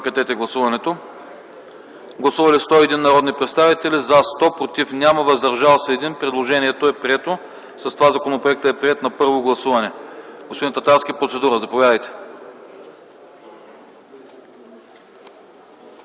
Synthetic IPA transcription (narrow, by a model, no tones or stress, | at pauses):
kɐt̪ɛt̪ɛɡlˠɐsuvɐnɛt̪o | ɡlˠɐsuvɐlist̪ɔiɛd̪inːɐɾɔd̪nipɾɛt̪st̪avit̪ɛlizast̪ɔpɾot̪ifnʲaməvɐzd̪ɐɾʒalˠsɛɛd̪inpɾɛd̪lˠoʒɛniɛt̪oɛpɾiɛt̪o | sɐst̪ovazɐkonopɾoɛk̚t̪əɛpɾiɛt̪nɐpɤɾvoɡlˠɐsuvɐnɛɡospod̪int̪ɐt̪aɾskʲipɾot̪sɛd̪uɾəzɐpovʲjad̪əjt̪ɛ̥